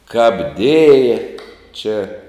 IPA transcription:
kɐp ˈdʲeːjɛ t͡ʃʲɛ

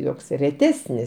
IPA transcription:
ˈjoːks rʲɛˈtʲæːsʲnʲɪs

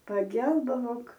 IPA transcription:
pɐˈɡʲɛlˠbɐʋoːk

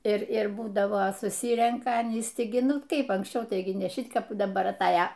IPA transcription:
ɪr ˈɪr ˈbuːdɐʋɐ sʊˈsʲiːrʲɛŋkɐ ɐˈnʲiːs ˈtʲɪ ɡʲɪ ˈnʊ ˈkɐɪp ɐŋksʲˈt͡ʃʲɛʊ ˈtɐɪɡʲɪ nʲɛ ˈʃʲɪt ˈkɐp dɐˈbɐr ɐtˈɑːjɛ

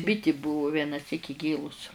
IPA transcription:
ˈbʲɪtʲɪ ˈbʊʋʊ ˌʋʲiɛnɐˈsʲiːk ˈɪɡʲeːlˠʊs

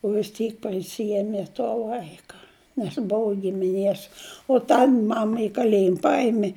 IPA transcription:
oː ʋʲɪs ˈtʲiːk pɐˈsʲiɛmʲɛ toː ˈʋɐɪkɐ nʲɛs ˈbʊʋʊ ɡʲɪmʲɪˈnʲeːs oː ˈtɐn ˈmɑːmɐ ɪ kɐˈlʲeːjɪm ˈpɐɪmʲeː

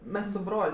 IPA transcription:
ˈmʲɛs sʊ ˈbroːlʲ

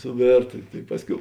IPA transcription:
sʊˈʋʲeːrtɐ tɐɪ ˈpɑːsʲˌkʲɛʊ

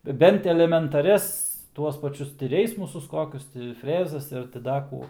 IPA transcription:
ˈbʲɛnt ɛlʲɛmʲɛntɐˈrʲɛs ˈtuɔs pɐˈt͡ʃʲʊs tʲɪ ˈrʲɛɪsmʊsʊs ˈkoːkʲʊs tʲɪ ˈfʲrʲæːzɐs ˈɪr tʲɪ ˈdɐ kuː

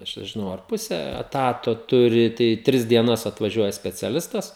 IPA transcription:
ˈɐʃ nʲɛʒʲɪˈnɐʊ ɐr ˈpʊsʲɛ ɛˈtɑːtoː ˈtʊrʲɪ tɐɪ ˈtʲrʲɪs dʲiɛˈnɐs ɐtʋɐˈʒʲuɔjɛ sʲpʲɛt͡sʲɛˈlʲɪstɐs

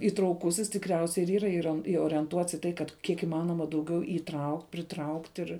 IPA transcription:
iːtrɐʊˈkʊsʲɪs tʲɪkˈrʲɛʊsʲɛɪ ɪr ˈiːrɐ ˈɪroːn ɪoːrʲiɛnˈtuɔts iː ˈtɐɪ kɐt ˈkʲiɛk ɪˈmɑːnoːmɐ dɐʊˈɡʲɛʊ iːˈtrɐʊktʲ pʲrʲɪtrɐʊktʲ ɪr

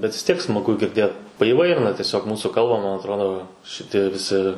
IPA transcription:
bʲɛt ʋʲɪs ˈtʲiɛk smɐˈɡʊ ɡʲɪrʲˈdʲeːt pɐiːˈʋɐɪrʲɪnɐ tʲiɛˈsʲoːk ˈmuːsuː ˈkɐlˠbɐ mɐn ɐtˈroːdoː ʃʲɪˈtʲiɛ ʋʲɪˈsʲɪ

